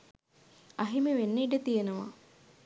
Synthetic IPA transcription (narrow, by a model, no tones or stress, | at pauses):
ɐɦimeʋenːeːɖət̪ijenəʋa̰